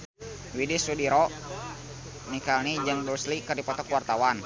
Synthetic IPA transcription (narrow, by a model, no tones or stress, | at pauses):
widisudiɾɔ | nikalnid͡ʒaŋduslikərdipɔt̪ɔkuwart̪awan